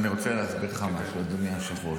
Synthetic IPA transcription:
niʁot͡seleasbitχamaʃuad̪umiamʃiχuo

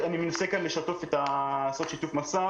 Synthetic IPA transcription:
ʔanimenasekanleʃat̪ofet̪asot̪ʃit̪ufmasa

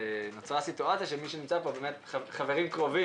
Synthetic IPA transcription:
not͡sʁasituat͡siaʃemiʃenimt͡sapobemet | χaveʁimkʁo̞vi

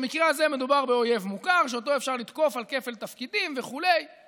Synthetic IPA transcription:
mikʁeazeme̞d̪ubaʁbeo̞je̞vmukaʁʃeot̪o̞efʃaʁlid̪ko̞falke̞fe̞lt̪afkid̪imve̞χule̞j

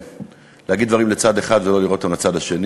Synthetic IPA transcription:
leaɡid̪vaʁimlet͡sad̪eχad̪velo̞liʁot̪ːamlat͡sad̪haʃe̞n

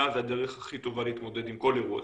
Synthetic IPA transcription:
azad̪e̞ʁeχaχit̪o̞valeit̪mo̞d̪e̞d̪imko̞leʁua̰

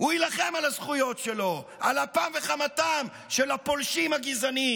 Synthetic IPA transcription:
uilaχe̞malazχujo̞tʃelo̞ʔalapamveχamatam | ʃelapo̞lʃimhaɡizani

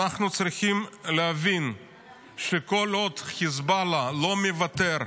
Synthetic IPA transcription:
aχnut͡sɾiχimleavin | ʃeko̞lod̪χizbalalo̞mevat̪eɾ

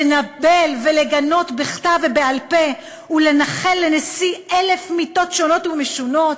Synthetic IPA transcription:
enabelve̞leɡano̞tbeχtavebealpe̞ | ule̞naχe̞lːenesiele̞fmito̞tʃo̞no̞tumeʃuno̞t

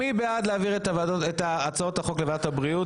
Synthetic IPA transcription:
ibead̪leaviʁetavaoet̪aːt͡saothaχo̞klevadthabʁiu

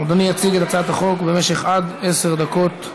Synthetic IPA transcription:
od̪anijat͡siɡet̪at̪laat̪haχo̞kbe̞meʃe̞χad̪eseʁd̪ako̞t̪

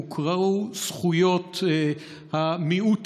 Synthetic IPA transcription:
ukʰʁausχujot̪ | hamiut

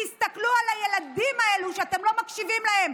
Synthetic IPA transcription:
ist̪aklualajelad̪imae̞luʃeat̪e̞mlo̞makʃivimlahem

